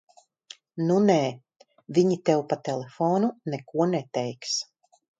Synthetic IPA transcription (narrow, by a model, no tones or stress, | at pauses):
nunɛː | viɲit̪ɛwpat̪ɛlefoːnunɛkuɔnɛt̪ɛjks